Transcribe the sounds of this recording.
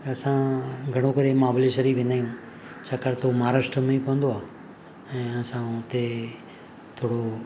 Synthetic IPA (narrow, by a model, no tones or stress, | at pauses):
ɐsãɡʱɐɽ̃okɐɾemaːbleʃəɾiʋẽːnd̪aːijũː | t͡ɕʰakɐɾt̪ʰomaːɾaːʂʈɾəmẽipɐʋə̃nd̪oaː | ɛ̃ːɐsãʊt̪e | t̪ʰoːɽo